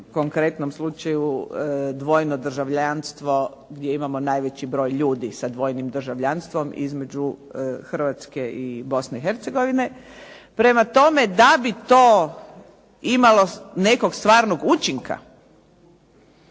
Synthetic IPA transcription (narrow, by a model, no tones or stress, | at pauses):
koŋkɾe̞t̪nomslˠut͡ʃajud̪ʋo̞jnod̪r̩ʒaʋʎanst̪ʋo̞ | ɡd̪jeimamo̞naːjʋe̞t͡ɕibɾo̞ːjʎuːd̪isad̪ʋo̞jnimd̪r̩ʒaʋʎanst̪ʋo̞mḭzme̞d͡ʒuxrʋat̪ske̞ʔibo̞sneixe̞ɾt̪seɡo̞ʋine̞ | pɾe̞mat̪o̞me̞d̪abit̪oː | imalo̞neko̞ɡst̪ʋaːɾno̞ɡut͡ʃiŋka̰